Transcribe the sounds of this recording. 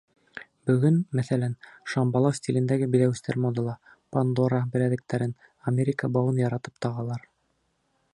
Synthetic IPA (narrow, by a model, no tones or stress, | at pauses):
bɵ̆ɡɵnmæθælænʃɑmbɑlˠɑsʲtʲilɘ̆nd̪æɡɘbɘ̆ðæwɘ̆st̪æɾmod̪ɤ̆lˠɑ | pand̪oɾɑbɘ̆læðɘ̆k̚t̪æɾɘn | ɐmʲeɾʲɪkəbɑwɤnjɑɾɑt̪ɤ̥pt̪ɑʁɑlˠɑɾ